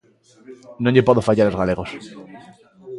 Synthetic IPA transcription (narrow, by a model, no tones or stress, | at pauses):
nõɲʎepoðofaʎalozɣale̞ɣos